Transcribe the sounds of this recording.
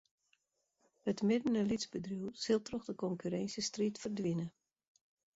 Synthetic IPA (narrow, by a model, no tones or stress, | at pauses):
ətmɪdənəlidzbədrjuwsɪlˠtrɔxdəkɔŋkyɾɛnsjəstritfərdʋinə